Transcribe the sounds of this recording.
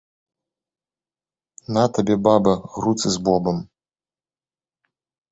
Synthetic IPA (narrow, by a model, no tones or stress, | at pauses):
nat̪ɐbʲɛbabɐɣɾut̪sɨzbɔbɐm